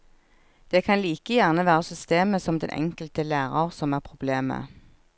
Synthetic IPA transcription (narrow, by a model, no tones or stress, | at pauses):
d̪̥eːkʰɑnliːkəjæʁnəʋæːʁəsʏst̪eːməsɔmd̪ɛ̰nʔɛ̰ŋkəlt̪əlæːʁɑʁsɔmæːʁpʰʁʊbleːmə̰